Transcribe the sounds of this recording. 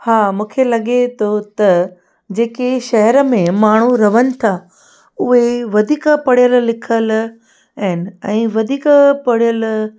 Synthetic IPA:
haːmũːkʰelɐɠet̪ʰot̪ɐ | d͡ʑeːkeʃɐɦəɾəmẽmaːɳ̤uɾɐʋənɪ̆t̪ʰa | ʊɦeʋɐd̪ʱiːkəpɐɽijəllɪkʰəl | ɛn̆ɛ̃ːʋɐd̪ʱiːkəpɐɽijəl

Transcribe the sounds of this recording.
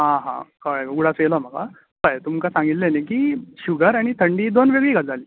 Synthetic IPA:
ɦãɦã̰kəɭuɽat͡sjelɔməɡa̰ | kəjt̪umkasãŋɡit̪lenəkiːɕuɡʱəɾaɽ̃it̪ʰəɳɖiːd̪onʋeɡɭikad͡zaliː

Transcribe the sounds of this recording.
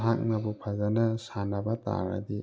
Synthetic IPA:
ɦak̚nɐbupʰazanɐsanɐbɐt̪a̰ɾa̰di

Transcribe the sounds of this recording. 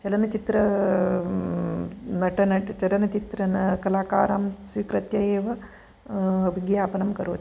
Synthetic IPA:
t͡ʃɐlɐnɐt͡ʃit̪ɾɐ | nɐʈɐnɐt͡ʃɐlɐnɐt͡ʃit̪ɾɐnɐkɐlaːka̰ːɾaːmsʋikɾɐt̪jɐjeːʋɐ | ɐbʱiɡjaːpɐnɐmkɐɾoːt̪i

